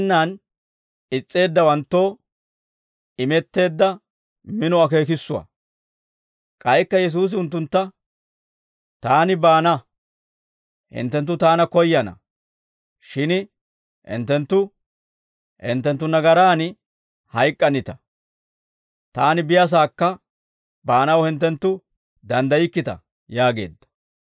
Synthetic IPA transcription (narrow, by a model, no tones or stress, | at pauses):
nːaːn | ɪt͡sʼːe̞ːd̪ːɐwɐnt̪ːo̞ː | ɪmɛt̪ːe̞ːd̪ːɐ | mɪnɔɐke̞ːk̬ɪsːʊwɐ̰ | kʼɐjkːɐjɛs̬uːs̬ɪʊnt̪̬ːʊnt̪ːɐ | t̪aːnɪbaːnɐ | hɪ̰nt̪ːɛnt̪ːʊt̪aːnɐkɔjːɐnɐ̰ | ʃɪn | hɪ̰nt̪ːɛnt̪ːʊ | hɪ̰nt̪ːɛnt̪ːʊnɐɡɐɾaːn | hɐjkʼːɐnɪt̪ɐ̥ | t̪aːnɪbɪjɐs̬aːkːɐ | baːnɐwhɪnt̪ːɛnt̪ːʊ | d̪ɐnd̪ɐjɪkːɪt̪ɐ̰ | jaːɡe̞̰ːd̪ːɐ̥